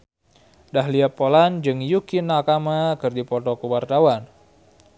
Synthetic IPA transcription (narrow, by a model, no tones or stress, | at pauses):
dahliapːoland͡ʒɨŋjukɪnːakamakɨrdipɔt̪ɔkəwart̪awan